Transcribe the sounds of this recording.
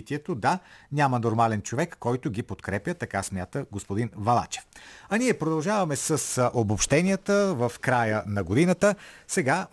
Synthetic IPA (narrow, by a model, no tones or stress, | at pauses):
t̪iɛt̪od̪anʲamənoɾmalɛnt͡ʃovɛkːɔjt̪ʊɡipot̪kɾɛpʲjət̪ɐkasmʲjat̪əɡospod̪invɐlˠa̰t͡ʃɛ̥fɐnʲiɛpɾod̪ɐlˠʒavɐmɛsəsʔobopʃt̪ɛnijət̪əvəfkɾajənɐɡod̪inət̪əsɛɡa